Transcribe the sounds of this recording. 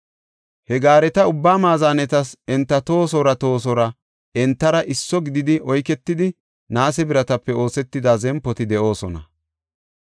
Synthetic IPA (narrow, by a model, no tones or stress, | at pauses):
hɛɡaːɾɛt̪ɐʊbːaːmaːzaːnɛt̪ɐsɛnt̪ːɐt̪o̞ːs̬ɔɾɐt̪o̞ːs̬ɔɾɐ | ɛnt̪ːɐɾɐʔɪsːɔɡɪd̪ɪd̪ɪʔɔjkɛt̪ːɪd̪ɪ | naːsɛbɪɾɐt̪ɐpːɛo̞ːsɛt̪ːɪd̪aːzɛmpːɔt̪ɪd̪ɛʔo̞ːsɔnɐ̰